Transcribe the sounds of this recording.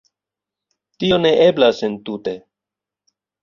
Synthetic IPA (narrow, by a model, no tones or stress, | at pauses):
tio̞ne̞ʔe̞blasentute̞